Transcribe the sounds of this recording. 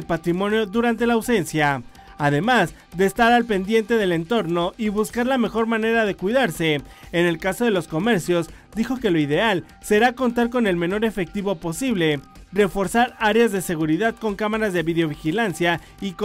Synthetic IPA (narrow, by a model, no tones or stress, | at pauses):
elpat̪ɾimõ̞njo̞ðuɾant̪e̞laːwse̞nsjaː | ðe̞maz | ðe̞ːst̪aɾalpe̞nd̪je̞nt̪e̞ðe̞le̞nt̪o̞ɾno̞ʔiβuskaɾlame̞xo̞ɾmãne̞ɾaðe̞kwiðaɾse̞ːne̞lkaso̞ðe̞lo̞sko̞me̞ɾsjo̞z | d̪ixo̞ke̞lo̞iðe̞al | se̞ɾako̞nt̪aɾko̞ne̞lme̞no̞ɾe̞fe̞k̚t̪iβo̞po̞siβle̞ | re̞fo̞ɾsaɾaɾeazðe̞se̞ɣuɾiðaðko̞ŋkamaɾazðe̞βiðeo̞βixilansja | ik